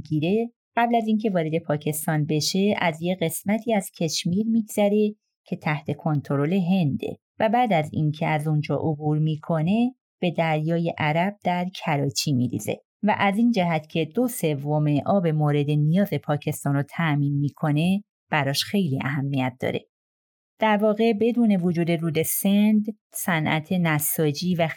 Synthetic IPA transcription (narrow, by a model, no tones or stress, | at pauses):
ɡiɾe̞ | ɢ̥æblæziːncʰe̞vɒːɾe̞d̪e̞pʰɒːcʰe̞st̪ɒːnbe̞ʃe̞æzjeɣe̞smæt̪ʰiːæz̥cʰe̞ʃmiːɾmiːɡz̥æɾe̞ | cʰe̞t̪ʰæht̪ʰe̞kʰo̞nt̪ʰo̞ɾo̞le̞ɦe̞nd̪ḛ | væbæːd̪æzḭːncʰe̞æzund͡ʒɒ̰ːʔobuːɾmiːkʰo̞ne̞ | b̥e̞d̪æɾjɒːje̞ʔæɾæb̥̚d̪̥æɾcʰæɾɒːt͡ʃʰimḭɾḭz̥ḛ | væ̰ʔæziːnd͡ʒæɦæt̪ʰcʰe̞d̪o̞se̞vːo̞me̞ʔɒːbe̞moːɾe̞d̪e̞nijɒːze̞pʰɒːcʰe̞st̪ɒːnɾot̪ʰæmiːnmiːkʰo̞ne̞ | b̥æɾɒːʃxe̞jliæ̰ɦæmːijæt̪̚d̪ɒ̰ːɾe̞̰ | d̪̥æɾvɒːɣe̞be̞d̪uːne̞vod͡ʒuːd̪e̞ɾuːd̪e̞send̪ | sænʔæ̰t̪ʰe̞næsɒːd͡ʒiːvæ